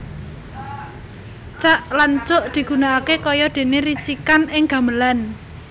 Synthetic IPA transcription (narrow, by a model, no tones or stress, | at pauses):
t͡ʃaʔlant͡ʃʊʔd̪̥i̤ɡ̥ṳnaakekɔjɔd̪̥e̤neɾit͡ʃikanɪŋɡ̥a̤məlan